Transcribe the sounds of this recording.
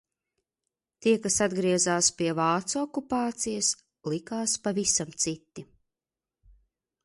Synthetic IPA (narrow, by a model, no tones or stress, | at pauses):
t̪iɛkasad̪ɡɾiɛzaːspiɛvaːt̪suɔkupaːt̪sijɐs | lˠikaːspavisamt̪sit̪ːi